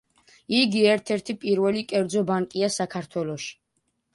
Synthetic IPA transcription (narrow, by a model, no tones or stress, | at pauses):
iɡiɛɾt̪ʰɛɾt̪ʰipʼiɾvɛlikʼɛɾd̪zɔbaŋkʼiasakʰaɾt̪ʰwɛlɔʃi̥